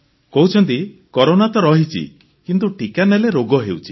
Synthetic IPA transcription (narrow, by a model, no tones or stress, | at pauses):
kɔɦut͡ʃʰɔnt̪̬ikɔɾonat̪ɔɾɔɦit͡ʃʰḭ | kint̪̬uʈʰikaneleɾoɡɔɦewt͡ʃʰi̥